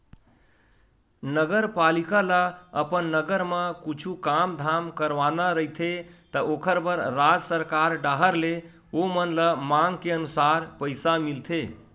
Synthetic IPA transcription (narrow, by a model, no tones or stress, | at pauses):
nəɡəɾpalikalaəpənːəɡəɾməkut͡ʃʰukamd̪ʱamkəɾʋanaɾəɦit̪ʰet̪əʔokʰəɾbəɾːad͡ʒsəɾkaɾɖaɦəɾle | omənlamaŋɡkeənusaɾpəjsamilt̪ʰe